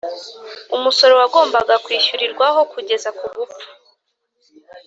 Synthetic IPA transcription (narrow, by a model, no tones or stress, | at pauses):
umuso̞ɾo̞waɡo̞ːmbaɡakwiːʃuɾiɾɡwaɦo̞kuɟe̞zakuɡupu̥